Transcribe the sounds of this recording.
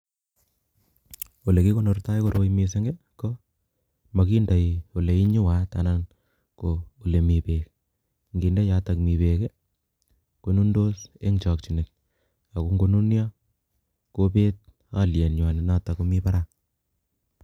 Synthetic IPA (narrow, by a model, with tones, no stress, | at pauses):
o˨le˨ki˦ko˦no˨rta˦jko˨ɾo˦jmi˧s̬e˦ŋɡe˦ | ko˦ | ma˨ki˦nda˨jo˨le˨i˦ɲʊ˦wa˦ta̰˨na˦n | ko˨o˨le˨mi˨pek | ŋɡi˨nda˦ja˨ta˨kmi˨pe˨ke˦ | ko˦nu˦ndo˦se˦ŋt͡ʃɔ˨k̚t͡ʃi˨ne˨t̚ | a˨ku˦ŋɡo˦nu˦njɔ˦ | ko˦pe˦t̚ | a̰˦ljɛ˨nɲwa˨nɪ˨na˦ta˨ku˦mi˦pa˦ɾa˦